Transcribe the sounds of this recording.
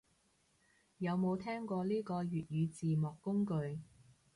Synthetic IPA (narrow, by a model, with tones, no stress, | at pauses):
jɐ˨˧wmo˨˧wt̪ʰɛː˥ŋkɔː˧liː˥kɔː˧jyː˨t̚jyː˨˧t͡siː˨mɔː˨kːʊ˥ŋkɵ˧ɥ